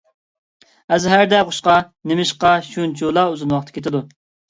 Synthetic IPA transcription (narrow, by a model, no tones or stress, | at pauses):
ɛzɦæɾd̪ɛχʊʃqɑ | nemɪʃqɑʃunt͡ʃʰulˠɑuzɨnwɑχt̪ʰkʲʰet̪ɪd̪u